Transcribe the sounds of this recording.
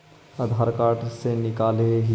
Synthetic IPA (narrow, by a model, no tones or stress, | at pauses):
əd̪ʱaːɾkaːɾʈsenɪkaːleɦ